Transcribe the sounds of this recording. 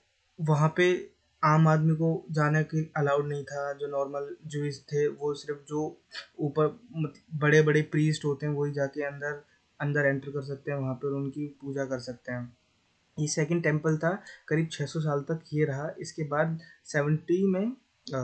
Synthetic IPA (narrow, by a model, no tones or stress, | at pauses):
ʋɐɦãpe | aːmaːd̪mikod͡ʒaːnakiɐlaːʊɖnɐɦĩt̪ʰad͡ʒoːnɔːɾməld͡ʒuɪst̪ʰeʋosɪɾəfd͡ʒoːuːpəɾmɐt̪bɐɽebɐɽepɾiːsʈɦoːt̪eɦɛ̃ʋoːɦid͡ʒaːkeɐ̃nd̪əɾ | ɐ̃nd̪əɾɛ̃ɳʈəɾkɐɾs̬ɐk̚t̪eɦɛ̃ʋɐɦãpeɔɾʊnkipuːd͡ʒakɐɾsɐk̚t̪eɦɛ̃ː | jesɛːkə̃ɳɖ̚ʈɛ̃ːmpəlt̪ʰakɐɾiːb̚t͡ʃʰɛːsɔs̬aːlt̪ɐkjeɾɐɦaʔɪskebaːd̪sɛːʋə̃ɳʈimẽ